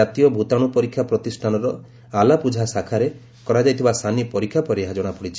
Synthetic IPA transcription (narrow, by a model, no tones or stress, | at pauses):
at̪ijɔbʱut̪aɽ̃upɔɾikʰːjapɾɔt̪isʈʰanɔɾɔ | alapud͡ʒʱasakʰaɾe | kɔɾad͡ʒajt̪ʰibasʰanipɔɾikʰːjapɔɾiɦad͡ʒɔɽ̃apɔɽit͡ʃʰi